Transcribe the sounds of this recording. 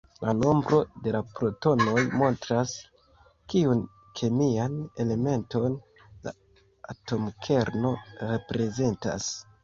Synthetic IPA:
lano̞mbɾo̞de̞lapɾo̞to̞no̞jmo̞ntɾas | kiun | kʰe̞miane̞le̞me̞nto̞n | la̰ | ato̞mkʰe̞ɾno̞ɾe̞pɾe̞ze̞nta̰s

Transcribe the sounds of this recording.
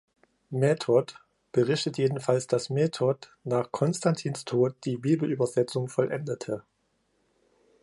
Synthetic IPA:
mɛtʰɔt | b̥əʁɪçtətjeːdn̩falsd̥asmɛːtʰɔtnaːχkʰɔnstantʰiːnstʰoːt̚d̥iːbiːbl̩ʔyːbɐzɛt͡sʊŋfɔlʔɛndətʰə

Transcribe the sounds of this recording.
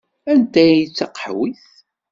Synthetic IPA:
ænt̪æjit͡sːɑqə̥ħwiθ

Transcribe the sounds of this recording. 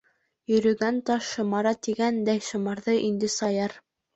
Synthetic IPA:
jɵ̆ɾɵ̆ɡænt̪ɑʃːŏmɑɾɑt̪iɡænd̪æjʃŏmɑɾðɤʔind̪ɘsɑjɑɾ

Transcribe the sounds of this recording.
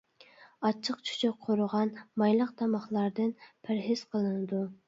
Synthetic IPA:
ɑt͡ʃʰːəqt͡ʃʰu̥t͡ʃʰɪk̚qʰːoɾʊʁɑnmɑjlˠəq̚t̪ʰɑmɑχlˠɑɾd̪ɨnpʰɪɾɦɪz̥qʰəlˠɨnɨd̪u

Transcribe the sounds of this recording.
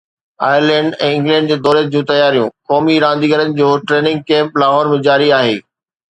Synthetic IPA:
aːjəɾlɛ̃ːɳɖɛ̃ːɪ̃ŋɡlɛ̃ːɳɖ̚d͡ʑeːd̪ɔːɾed͡ʑũːt̪ɐjaːɾijũːkɔːmiɾãːnd̪iɡəɾənɪ̆d͡ʑoːʈɾeːnɪ̃ŋɡ̚kɛ̃ːmplaːɦɔːɾmẽd͡ʑaːɾiaːɦeː

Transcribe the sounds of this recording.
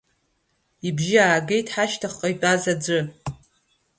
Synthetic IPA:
ibʒiaːɡejtʰħaʃtʰaχqʼajtʼazad͡ʒʷɨ

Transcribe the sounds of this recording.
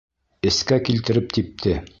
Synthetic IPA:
ɘ̆skækilt̪ɘ̆ɾɘp̚t̪ʰip̚t̪ʰɘ

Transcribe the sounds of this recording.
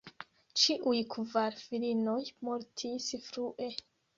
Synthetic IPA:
t͡ʃiʔujkʰvaɾfilino̞jmoɾtʰisfɾuʔe̞

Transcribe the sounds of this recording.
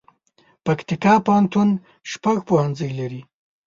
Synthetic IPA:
pakt̪ɪkɑpawant̪un | ʃpaɣpohand͡zəjlaɾi

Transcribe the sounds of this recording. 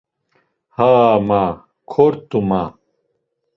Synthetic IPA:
haːma | kʰoɾt̪uma

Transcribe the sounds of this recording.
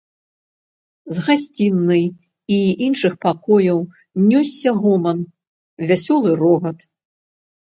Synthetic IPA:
zɣasʲt͡sʲinːɨj | iinʂɨxpakɔjɐw | nʲɔsʲːɐɣɔmɐn | vʲasʲɔlˠɨɾɔɣɐt̪

